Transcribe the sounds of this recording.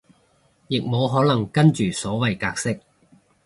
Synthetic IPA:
jɪ˨k̚mo˨˧wɦɔː˨˥nɐ˨˩ŋkɐ˥nt͡ʃyː˨˩sɔː˨˥wɐ˨jkaː˧k̚sɪ˥k̚

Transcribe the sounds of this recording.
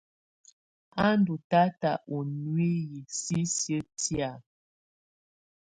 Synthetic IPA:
a˦n˦du˨ta˦ta˨ʔo˨nwe˦ji˨si˦sjə˦tja˨

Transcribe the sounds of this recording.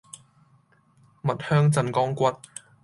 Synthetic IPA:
mɐ˨t̚hœː˥ŋt͡sɐ˧nkɔː˥ŋkʷɐ˥t̚

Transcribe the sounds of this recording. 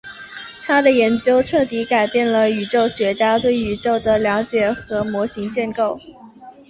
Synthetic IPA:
t̪ʰa˥d̪ə˨jɛ˧˥nt͡ɕjo˥ʊʈ͡ʂʰɤ˥˩t̪i˧˥ka˨˩ɪpjɛ˥˩nlə˩y˨˩ʈ͡ʂo˥˩ʊɕɥɛ˧˥t͡ɕja˥t̪we˥˩ɪy˨˩ʈ͡ʂo˥˩ʊd̪ə˩ljɑ˧˥ʊt͡ɕjɛ˨˩xɤ˧˥mwɔ˧˥ɕi˧˥ŋt͡ɕjɛ˥˧nko˥˩ʊ

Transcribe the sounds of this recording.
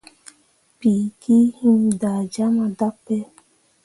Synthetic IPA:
pi˨˦kʰi˦hĩ˦mda˨d͡ʒa˦mã˧da˦pːɛ˦

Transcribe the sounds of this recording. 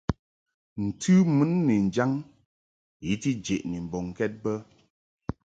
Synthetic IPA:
n̩˨tʰɨ˦mɨ˦nːi˨n̩˨d͡ʒa˦ŋ | ji˨˦ti˦d͡ʒe˨ʔni˨m̩˨bɔ˨ŋ˨kɛ˦t̚bə˦

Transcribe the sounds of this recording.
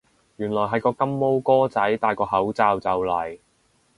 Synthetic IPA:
jyː˨˩nlɔː˨˩jɦɐ˨˧jkɔː˧kɐ˥mːo˥wkɔː˥t͡sɐ˨˥jt̪aː˨˧jkɔː˧ɦɐ˨˥wt͡saː˨˧wt͡sɐ˨wlɐ˨˩j

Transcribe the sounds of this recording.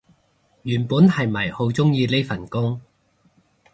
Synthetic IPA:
jyː˨˩npuː˨˥nhɐ˨jmɐ˨˩jho˨˥wt͡sʊ˥ŋjiː˧le˥jfɐ˨˩nkʊ˥ŋ

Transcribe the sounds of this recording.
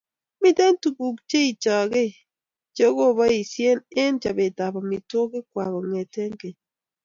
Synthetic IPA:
mi˦tɛ˦n˦tu˨bu˨k̚t͡ʃe˦i˨t͡ʃɔ˨ɡe˦ | d͡ʒo˦ɣo˦˨βɔ˦i˨sje˦ne˦nd͡ʒa˨be˨ta˨bɔ˨mi˨to˦kɪ˦kwa˨ɣɔ˨ŋɛ˨tɛ˦ŋɡe˨

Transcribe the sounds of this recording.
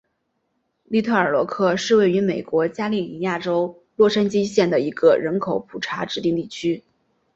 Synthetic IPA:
li˥˧t̪ʰɤ˥˩ə˞˨˩lwɔ̰˧˥kʰɤ˥˧ʂɻ̩˥˧we˥˩ɪy˧˥me˨˩ɪkwɔ˧˥t͡ɕja˥li˥˩ni˧˥ja˥˩ʈ͡ʂo˥ʊ | lwɔ˥˩ʂa˥nt͡ɕi˥ɕjɛ˥˩nd̪ə˩i˧˥ɡə̰˧ɻə˧˥nkʰo˨˧˥ʊpʰu˨˩ʈ͡ʂʰa˧˥ʈ͡ʂɻ̩˧˥t̪i˥˧ŋt̪i˥˩t͡ɕʰy˥

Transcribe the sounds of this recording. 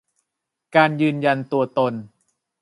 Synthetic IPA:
kaː˧njɯː˧nja˧nt̪u˧ɐt̪o˧n

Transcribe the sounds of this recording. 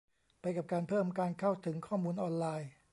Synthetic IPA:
pa˧jka˨˩p̚kaː˧npʰɤː˥˩mkaː˧nkʰa˥˩wt̪ʰɯ˩˦ŋkʰɔː˥˩muː˧nʔɔː˧nlaː˧j

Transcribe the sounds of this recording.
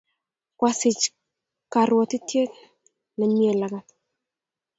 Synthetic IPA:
kwa˨sɪ˨t͡ʃ | ka˨ɾwɔ˨ti˦tje˦k | nɛ˨mje˨la˨ɡa˨t̪

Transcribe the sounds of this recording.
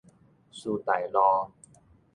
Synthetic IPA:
su˧t̪a˨˩jlɔ˧

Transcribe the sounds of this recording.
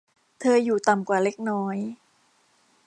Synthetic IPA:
t̪ʰɤː˧juː˨˩t̪a˨˩mkwaː˨˩le˦˥k̚nɔː˦˥j

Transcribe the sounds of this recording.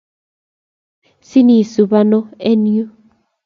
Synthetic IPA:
si˦ni˨su˨βa˦nɔ˦e˦ni˦o˦

